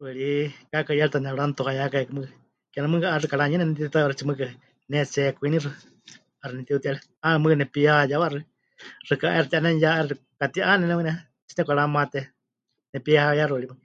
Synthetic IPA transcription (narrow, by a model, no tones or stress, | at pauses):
wɨɺikakajalt̪anɛɺant̪ohajakaɛkɨmɨkɨ | kɛnamɨkɨaɾɨkaɺaɲɛnɛnɛt̪it̪it̪ajwaɾɨt͡ʃimɨkɨ | nɛt͡sɛkʷinirɨ | aɾɨnɛt̪iut̪ialɛ | anɛmɨknɛpiahajawaɾɨ | rɨkaʔɛɾɨt̪iʔanɛnjaɛɾɨ | kat̪iʔanɛnɛɨnɛ | t͡ʃi̥nɛkʷaɺamat̪ɛ | nɛpiahajaɾɨlimɨ